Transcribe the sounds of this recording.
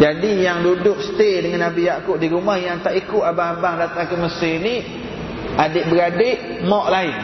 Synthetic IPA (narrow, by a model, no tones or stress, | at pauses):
d͡ʒadijaŋdudʊk̚sə̥t̪edəŋanabijaʔkʊʔ̚diɾumahjaŋt̪aʔikʊʔabaŋabaŋdat̪aŋkəməsɪni | adɪʔbəɾadɪʔ | mɔʔlaɪn